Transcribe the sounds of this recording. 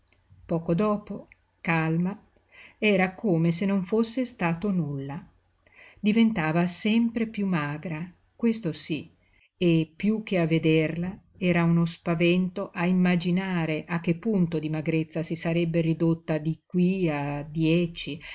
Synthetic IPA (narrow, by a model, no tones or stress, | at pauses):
pɔːkod̪ɔːpo | kalma | ɛːɾakoːmes̬enːoɱfosːest̪aːt̪onulːa | d̪ivent̪aːvasɛmpɾepjumaːɡɾa | kwest̪osi | epːjuk̟ːeavːed̪erla | ɛːɾaunospavɛnt̪oʔaimːad͡ʒinaːɾeʔak̟ːepːunt̪od̪imaɡɾet̪sːasisaɾɛbːerid̪ot̪ːad̪ikwiad̪jɛt͡ʃi